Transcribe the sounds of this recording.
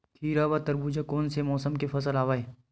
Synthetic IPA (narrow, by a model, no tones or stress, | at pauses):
kʰiːɾabat̪ɐɾbud͡ʒakɔːnsemɔːsəmkefɐsəlaːʋaːeː